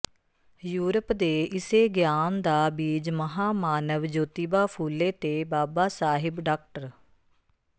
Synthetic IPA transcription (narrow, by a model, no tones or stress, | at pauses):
juːɾəpd̪eːʔɪseːɡjaːnd̪aːbiːd͡ʒməɦaːmaːnəʋd͡ʒoːt̪iːbaːpʰuːlːeːt̪eːbaːbaːsaːɦɪbɖaːk̚ʈəɾ